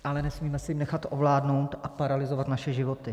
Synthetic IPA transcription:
ʔalɛnɛsmiːmɛsɛjmnɛxat̪ʔovlaːdno̞wt̪ʔapaɾalɪzo̞vat̪naʃɛʒɪvo̞t̪ɪ

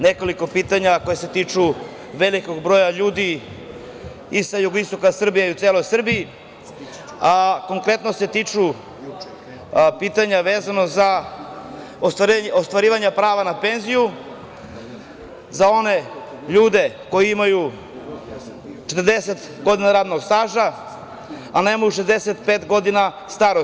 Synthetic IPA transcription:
ne̞ko̞liko̞piːt̪aɲako̞jese̞t̪iːt͡ʂu | ʋe̞liko̞ɡbɾojaʎuːd̪i | isajuɡoist̪o̞kasr̩bijaiut̪seːlo̞jsr̩bii | ako̞ŋkɾe̞t̪no̞se̞t̪iːt͡ʂu | piːt̪aɲaʋeːzano̞za | ost̪aost̪ʋaɾiːʋaɲapɾaːʋanape̞nziju | zao̞ne̞ | ʎuːd̪e̞ | ko̞jiimaju | t͡ʃet̪əɾd̪eset̪ | ɡo̞d̪inaɾaːd̪noɡst̪aːʒa | anemajuʃezd̪eset̪pet̪ɡo̞d̪ina | st̪aɾo

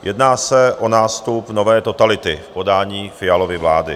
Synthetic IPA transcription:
jʔɛdnaːsɛʔonaːst̪upnovɛːt̪o̞t̪alɪt̪ɪfpo̞daːɲiːfɪalo̞vɪvlaːdɪ

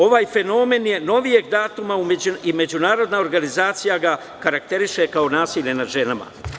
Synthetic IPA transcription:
o̞ʋaːjfe̞no̞me̞nje̞no̞ʋije̞ɡd̪aːt̪umaumeime̞d͡ʑunaːɾo̞d̪nao̞ɾɡanizaːt̪sijaɡa | kaɾak̚t̪e̞ɾiʃe̞kao̞naːsiːʎʲe̞nad̪ʒe̞nama̰

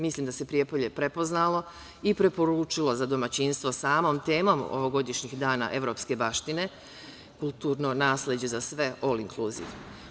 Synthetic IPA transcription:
mislˠiːmd̪ase̞pɾijepoʎe̞pɾe̞po̞znalo̞ | ipɾe̞po̞ɾut͡ʃilo̞zad̪o̞mat͡ɕinst̪ʋo̞saːmo̞ːmt̪e̞ːmomo̰ʋoɡo̞d̪iʃɲixd̪aːna̰ʔe̞ʋɾo̞ːpske̞baʃt̪ine̞ | kulˠt̪uːɾno̞naːslʲed͡ʑe̞zasʋe̞ʔoliŋkluzḭʋ

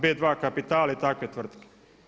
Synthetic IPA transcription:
bed̪ʋaːkapit̪aːlait̪aket̪ʋr̩t̪ke̥

